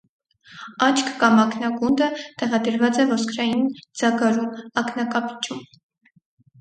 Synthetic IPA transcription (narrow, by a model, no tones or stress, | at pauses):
ɑt͡ʃʰkʰkɑmɑkʰnɑɡund̪ət̪ɛʁɑd̪əɾvɑt͡sɛvɔskʰɾɑjind͡zɑɡɑɾumɑknɑkɑpi̥t͡ʃʰum